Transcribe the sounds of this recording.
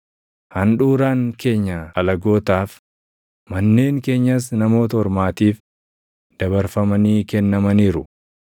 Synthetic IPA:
hɐnᶑuːɾaːŋke̞ːɲːɐɐlɐɡo̞ːt̪aːf | mɐnːe̞ːŋke̞ːɲːɐs̬nɐmo̞ːt̪ɐɔɾmaːt̪iːf | d̪̥ɐβɐɾfɐmɐniːkɛnːɐmɐniːɾʊ

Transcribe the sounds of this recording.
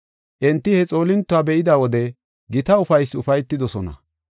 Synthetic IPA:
ʔɛnt̪ːɪhɛt͡sʼo̞ːlɪnt̪ːʊaːbɛʔɪd̪aːwɔd̪ɛ | ɡɪt̪ɐʊfɐjsʊfɐjt̪ːɪd̪ɔsɔnɐ̰

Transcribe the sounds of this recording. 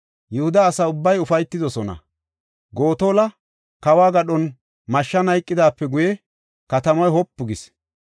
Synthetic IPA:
jɛhʊd̪ɐːsɐʊbːɐjʊfɐjt̪ːɪd̪ɔsɔnɐ̰ | ɡo̞ːt̪oːlɐ | kɐwaːɡɐɗɔn | mɐʃːɐnɐjkʼːɪd̪aːpːɛɡʊjɛ | kɐt̪ɐmɔjhɔpːʊɡɪs

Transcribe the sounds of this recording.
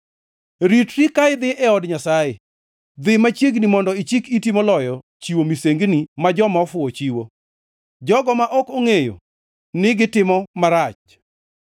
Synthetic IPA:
ɾitɾikaɪd̪ɪʔɛɔdɲasaje | d̪ɪmat͡ʃjeɡnimɔndɔɪt͡ʃikitimolɔjɔ | t͡ʃiwomiseŋɡnimad͡ʒɔmaɔfʊɔt͡ʃiwo | d͡ʒɔɡɔmaʔɔkoŋejo̰ | nɪɡɪtɪmɔmaɾat͡ʃ

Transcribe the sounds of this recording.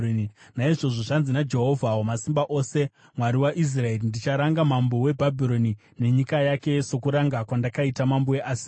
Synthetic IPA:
naiʐo̞ʐo̞ʐanzinad͡ʒe̞ɦo̞vʱawomasimbaʔo̞se̞ | mwaɾiwaʔis̬rae̞rindit͡ʃaɾaŋɡamambowe̞bʱabʱiɾo̞ni | ne̞ɲikajake̞sokuɾaŋɡakwandakaitamamboeʔaːsi̥

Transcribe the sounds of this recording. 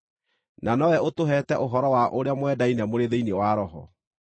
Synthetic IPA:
nanɔwɛotoɦɛtɛʔoɦɔɾɔwaʔoɾeamwɛdainɛmoɾeðeinewaɾɔɦɔ̰

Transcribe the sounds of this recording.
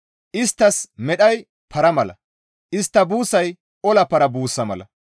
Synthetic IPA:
ʔɪst̪ːɐsmɛɗɐj | pʰɐɾɐmɐlɐ̰ | ʔɪst̪ːɐbuːsɐj | ʔɔlɐpɐɾɐbuːsːɐmɐ̰lɐ̰

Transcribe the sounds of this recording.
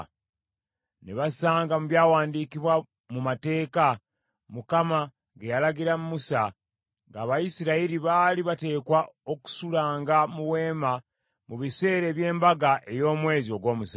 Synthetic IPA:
neβasaːŋɡamuβjaːwaːndiːkiβwa | mumate̞ːka | mukama | ɡejalaɡiɾamumusa | ŋɡaːβajisiɾaiɾiβaːliβate̞ːkwao̞ku̥sulaːŋɡamuwe̞ːma | muβise̞ːɾe̞ːβje̞ːmbaɡaʔe̞jo̞ːmwe̞ːzio̞ɡwo̞ːmusa

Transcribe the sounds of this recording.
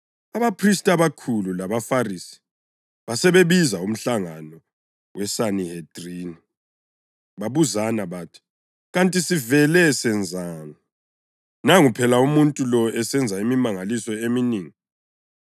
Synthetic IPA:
aβapʰristʼaβakʰululaβafarisi̥ | βasɛβeβizaum̩ɬaŋanɔ | wɛsanihed̥riːni | βaβuzanaβatʰi̥ | ɣantʼisivɛlɛsɛnd͡zʱaːnɔ | naŋupʰɛlaumuntʼulɔɛsɛnd͡zʱaimimaŋalisɔeminiːŋi

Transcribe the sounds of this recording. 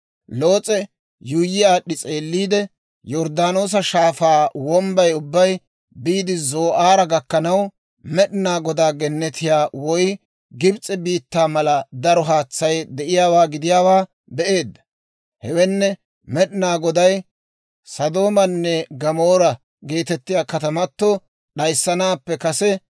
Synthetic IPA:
lo̞ːt͡sʼɛ | jʊjːɪjaːɗɪt͡sʼe̞ːlːiːd̪ɛ | jɔɾd̪aːno̞ːs̬ɐʃaːfaːwɔmbɐjʊbːɐj | biːd̪ɪzo̞ːʔaːɾɐɡɐkːɐnɐw | mɛɗɪnaːɡɔd̪aːɡɛnːɛt̪ɪjaːwɔj | ɡɪbt͡sʼːɛbiːt̪ːaːmɐlɐd̪ɐɾɔɦaːt͡sːɐjd̪ɛʔɪjaːwaːɡɪd̪ɪjaːwaː | bɛʔe̞ːd̪ːɐ̥ | hɛwɛnːɛ | mɛɗɪnaːɡɔd̪ɐj | sɐd̪o̞ːmɐnːɛɡɐmoːɾɐ | ɡe̞ːt̪ɛt̪ːɪjaːkɐt̪ɐmɐt̪ːɔ | ɗɐjsːɐnaːpːɛkɐsɛ

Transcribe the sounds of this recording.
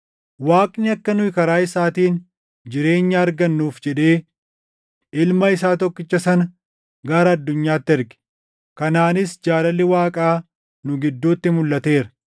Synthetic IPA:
waːkʼnɪɐkːɐnʊɪkɐɾaːɪsaːt̪iːn | d͡ʒɪɾe̞ːɲːaːɾɡɐnːuːfd͡ʒɛᶑe̞ː | ɪlmɐɪs̬aːt̪ɔkːɪt͡ʃːɐsɐnɐ | ɡaːɾɐːɐd̪ːʊɲːaːt̪ːɪɛɾɡɛ̥ | kɐnaːnɪsd͡ʒaːlɐlːɪwaːkʼaː | nʊɡɪd̪ːuːt̪ːɪmʊlːɐt̪e̞ːɾɐ̥

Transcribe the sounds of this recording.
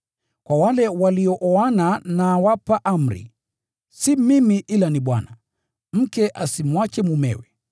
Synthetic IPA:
kwawalɛwaliɔʔɔananawapaʔam̩ɾḭ | simimiʔilaniɓwana | m̩kɛʔasimwat͡ʃɛmumɛ̰wɛ

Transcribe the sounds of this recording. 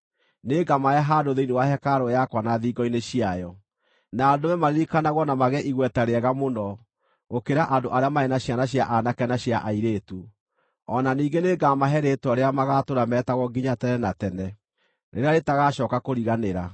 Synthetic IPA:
neɡamajɛɦadoðeinewahɛkaɾojakwanaðiːɡɔineɕiajɔ | naːdomɛmaɾeɾikanaɣwɔnamaɣɛʔiɣwɛtaɾeɛɣamonɔ | ɣokeɾaʔandoʔaɾeamaɛnaɕjanaɕjaʔanakɛnaɕjaʔaiɾetu | ɔnaniːɡeneɡamaɦɛɾetaɾeamaɣatoɾamɛtaɣɔɡiɲatɛnɛnatɛnɛ | ɾḛɾeaɾetaɣaɕɔːkakoɾiɣaneɾa

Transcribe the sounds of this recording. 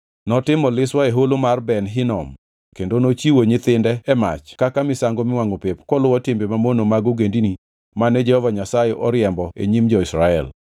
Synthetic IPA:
nɔtɪmɔlɪswaeɦolomarbɛnɦɪnɔm | kendonot͡ʃiwoɲɪt̪ɪndɛɛma̰t͡ʃkakamɪsaŋɡomɪwaŋopepkɔlʊwɔtɪmbemamonomaɡoɡendini | manɛd͡ʒɛhɔvaɲasajɛʔɔɾjɛmbɔḛɲimd͡ʒɔɪsɾaɛ̰l

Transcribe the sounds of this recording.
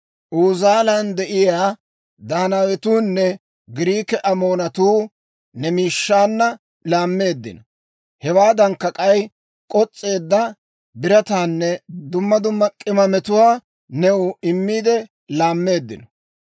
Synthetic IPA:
ʔuːzaːlɐnd̪ɛʔɪjaː | d̪aːnawɛt̪uːnːɛ | ɡɪɾiːkɛʔɐmo̞ːnɐt̪uː | nɛmiːʃːaːnːɐ | laːmːe̞ːd̪ːɪ̰nɔ | hɛwaːd̪ɐŋkːɐkʼɐj | kʼɔt͡sʼːe̞ːd̪ːɐ | bɪɾɐt̪aːnːɛd̪ʊmːɐd̪ʊmːɐkʼɪmɐmɛt̪ʊwaː | nɛwʊɪmːiːd̪ɛ | laːmːe̞ːd̪ːɪnɔ

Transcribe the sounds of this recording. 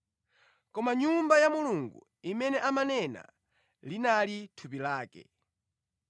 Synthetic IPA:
kɔmaɲumbajamuluŋɡṵ | imɛnɛʔamanɛna̰ | linalitʰupilaːkɛ̰

